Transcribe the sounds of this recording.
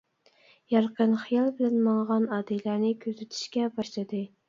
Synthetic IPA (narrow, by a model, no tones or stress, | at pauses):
jɑɾqʰənχijɑlˠbɪlɛnmɑŋʁɑnɑːd̪ɪlæɾnɪkʲʰøzɪt̪ʰy̥ʃkʲɛbɑʃlˠɨd̪ɨ